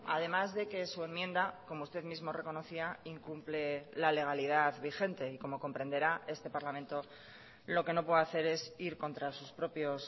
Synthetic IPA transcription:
a̰ð̞e̞mazðe̞ke̞sue̞mːjẽ̞nd̪ako̞moust̪e̞ðmizmo̞re̞ko̞no̞θiaiŋkumple̞lale̞ɣ̞aliðaðβixe̞nt̪e̞iko̞mo̞ko̞mpɾe̞nd̪e̞ɾae̞st̪e̞paɾlamẽ̞nt̪o̞ | lo̞ke̞no̞pweðaθe̞ɾe̞siɾko̞nt̪ɾasuspɾo̞pjos

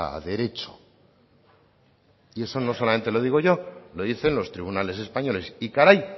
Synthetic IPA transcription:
a̰ðe̞ɾe̞t͡ʃo̥ | ie̞so̞no̞so̞lame̞nt̪elo̞ðiɣo̞ʝo̞lo̞ðiθe̞nlo̞st̪ɾiβunale̞se̞spaɲo̞le̞sikaɾaj

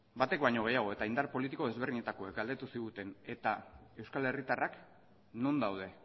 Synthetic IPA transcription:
bat̪e̞kbaɲo̞ɣe̞jaɣ̞o̞et̪aind̪arpo̞lit̪iko̞ðe̞zβ̞eɾðiɲe̞t̪ako̞ekɡald̪e̞t̪usiɣut̪e̞ne̞t̪ae̞wskale̞rit̪arʔak | no̞nd̪awð̞e̞

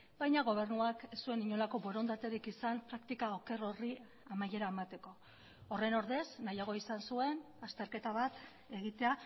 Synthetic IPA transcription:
bajɲaɣ̞o̞β̞e̞rnuaksue̞niɲo̞lako̞bo̞ɾo̞nd̪at̪eɾikisampɾakt̪ikao̞ke̞ro̞ri | amaje̞ɾaemat̪e̞ko̞ː | re̞no̞ɾðesnajaɣ̞o̞isansue̞n | ast̪e̞ɾke̞t̪aβat̪ | e̞ɣit̪e̞a

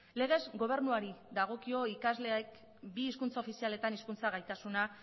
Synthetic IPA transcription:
le̞ɣ̞e̞zɣo̞β̞e̞ɾnuaɾiðaɣ̞o̞kio̞ikazleek | biːskunt͡sao̞fisiale̞t̪aniskunt͡saɣ̞ajt̪asuna

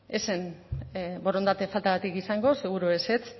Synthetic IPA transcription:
esen | boɾo̞nd̪at̪e̞falt̪aɣat̪ikisaŋɡo̞seɣ̞uɾuese̞t͡s

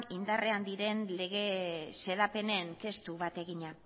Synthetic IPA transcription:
nind̪are̞and̪iɾe̞nle̞ɣ̞e̞se̞lape̞ne̞ŋke̞st̪uβat̪e̞ɣiɲa

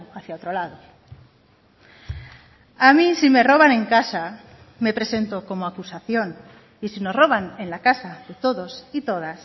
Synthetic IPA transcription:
aθjaot̪ɾolaðo | amisime̞ro̞βane̞ŋkasa | me̞pɾe̞se̞nt̪oko̞moakusaθjo̞n | isino̞zro̞βane̞nlakasaðe̞t̪o̞ðo̞sit̪o̞ð̞as

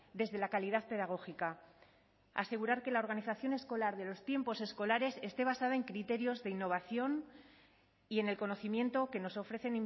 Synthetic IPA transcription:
d̪e̞zðe̞lakaliðaðpe̞ðaɣ̞o̞xika | a̰se̞ɣuɾaɾke̞lao̞ɾɣ̞aniθaθjo̞ne̞sko̞laɾðe̞lo̞st̪je̞mpo̞se̞sko̞laɾe̞se̞st̪e̞β̞asað̞ae̞ŋkɾit̪e̞ɾjo̞zðe̞inːo̞β̞aθjo̞n | ie̞ne̞lko̞no̞θimje̞nt̪o̞ke̞no̞so̞fɾe̞θe̞nim

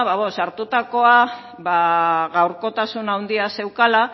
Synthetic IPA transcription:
βaβosaɾt̪ut̪ako̞a | βaɣawɾko̞t̪asunawnd̪iase̞wkala

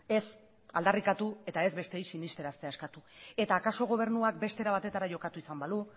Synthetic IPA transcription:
e̞s | a̰ld̪arikat̪ue̞t̪ae̞zβe̞st̪ejsinist̪e̞ɾast̪eaeskat̪ue̞t̪aːkaso̞ɣo̞β̞e̞ɾnuak̚be̞st̪e̞ɾaβ̞at̪e̞t̪aɾaʝo̞kat̪uisambalu

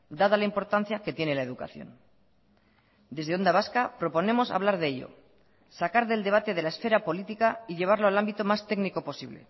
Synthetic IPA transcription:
d̪að̞alaimpo̞ɾt̪an̟θjake̞t̪je̞ne̞lae̞ðuka̰θjo̞̰n | d̪e̞zðeo̞nd̪aβ̞askapɾo̞po̞ne̞mo̞sa̰β̞laɾð̞eeʎo̞̰ | sakaɾðe̞ld̪e̞β̞at̪e̞ð̞e̞laesfe̞ɾapo̞lit̪ikaiʎe̞β̞aɾloalambit̪o̞mast̪e̞ɡniko̞po̞siβle̞̰

